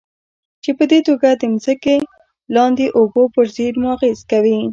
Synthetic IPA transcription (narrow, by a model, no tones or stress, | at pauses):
t͡ʃepəd̪et̪oɡad̪əmzəke | lɑnd̪eʔobopəɾzeɾmʊɑɣezkawi